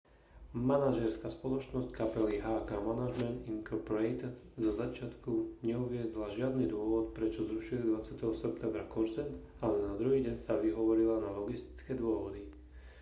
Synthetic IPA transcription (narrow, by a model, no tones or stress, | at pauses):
manaʒɛɾskaspɔlɔt͡ʃnɔsckapɛliɦaːkaːmanaʒmɛnd̪iŋkɔɾpɔɾɛt̪ɛd̪ | zɔzat͡ʃɪat̪kuɲɛuʋɪɛd̪laʒɪad̪nid̪ʊɔʋɔt̪̚pɾɛt͡ʃɔzɾuʃilid̪ʋat͡sɪat̪ɛɦɔsɛp̚t̪ɛmbɾakɔɾzɛnt̪ | alɛnad̪ɾuɦiːɟɛɲsaʋiɦɔʋɔɾilanalɔɡist̪i̥t͡skɛːd̪ʊɔʋɔd̪i